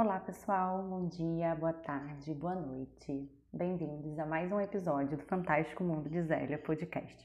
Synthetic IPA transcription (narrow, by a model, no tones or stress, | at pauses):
olapesuawbõw̃d͡ʒiɐboɐt̪aɾd͡ʒɪboɐnojt͡ʃɪ | bẽj̃vĩnd̪ʊzɐmajzũepizɔd͡ʒiʊd̪ʊfɐ̃nt̪aʃt͡ʃi̥kʊmũnd̪ʊd͡ʒɪzɛ̰lɐpod͡ʒɪkɛ̰ʃt͡ʃɪ̥